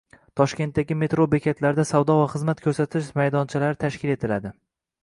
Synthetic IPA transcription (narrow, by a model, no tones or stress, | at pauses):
t̪ʰɒʃkʲe̞nt̪d̪aɡʲɪme̞t̪ɾobekʲʰet̪ʰlaɾd̪asavd̪ɒvaχɨzmat̪kʰɵɾsat̪ʰɪʃmajd̪ɒnt͡ʃʰalaɾɪt̪ʰaʃkʲɪle̞t̪ʰɪlad̪ɪ